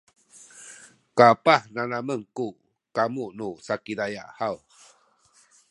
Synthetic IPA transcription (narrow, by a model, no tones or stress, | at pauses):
kapahnanaməŋku | kamuʔnusakidaja̰ʔhaw